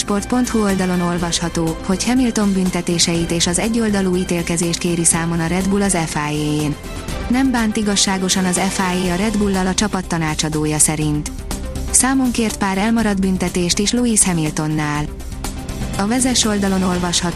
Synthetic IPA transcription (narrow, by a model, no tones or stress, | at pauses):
ʃpo̞rt̪̚po̞nt̪huo̞ld̪ɒlo̞no̞lvɒʃhɒt̪oːho̞chɛmilt̪o̞mbynt̪ɛt̪eːʃɛjit̪eːʃɒzɛɟːo̞ld̪ɒluːit̪eːlkɛzeːʃt̪̚keːɾisaːmo̞nɒɾɛd̪bulɒzɛfaːjeːeːnː | ɛmbaːnt̪iɡɒʃːaːɡo̞ʃɒnɒzɛfaːjeːɒɾɛd̪bulːɒlɒt͡ʃɒpɒt̪ːɒnaːt͡ʃɒd̪oːjɒsɛɾint̪ | saːmo̞ŋkeːrt̪̚paːɾɛlmɒɾɒd̪bynt̪ɛt̪eːʃt̪iʃluiːshɛmilt̪o̞nːaːl | ɒvɛzɛʃo̞ld̪ɒlo̞no̞lvɒʃhɒ